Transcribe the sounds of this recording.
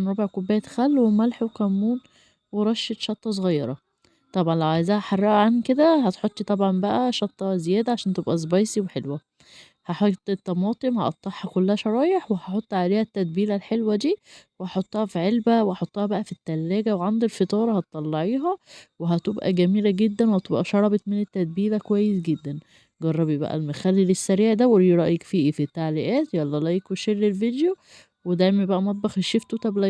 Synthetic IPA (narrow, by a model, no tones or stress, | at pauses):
nɾˤobeʕkobːæjæt̪xælːwemælħwekæmːuːn | weɾˤɑʃːet̪ʃɑt̪ˤːɑs̬ˤɣɑjːɑɾˤɑ | t̪ˤɑbʕɑnlæʕajzæhæħɑrˤːɑʔæʕanked̪æhæt̪ħot̪ˤːt̪ˤɑbʕɑmbæʔæʃɑt̪ˤːɑzejæːd̪æʕaʃæːnt̪ebʔæzbɑjsiweħelwæ | hɑħot̪ˤːet̪ːɑmɑːt̪ˤemhɑ̰ʔɑt̪ˤːɑħhɑkolːæhæʃɑɾˤɑːjeħwehɑħot̪ˤːʕaleːhæt̪ːæd̪̚biːlælħelwæd̪iːwehɑħot̪ˤːɑhæfiʕelbæweɑħot̪ˤːɑhɑbæʔæfit̪ːælːæːɡæweʕand̪ilfet̪ˤɑːɾˤɑhɑt̪ˤːɑlːɑʕiːɦæweɦæt̪obʔæ̰ɡæmiːlæɡed̪ːænwhæt̪obʔæ̰ʃɑɾˤɑbet̪ˤmenet̪ːæd̪̚biːlækowæjːesɡed̪ːæn | ɡɑrˤːɑbjebæ̰ʔæ̰lmexælːilesːæɾiːʕd̪æweliɾˤɑʔjekfiːʔifit̪ːaʕliʔæːt̪jælːɑlɑjekweʃelːelvid̪jo | wed̪æjmæjebæʔæmɑt̪̚ˤbɑxeʃeft̪ut̪æblæ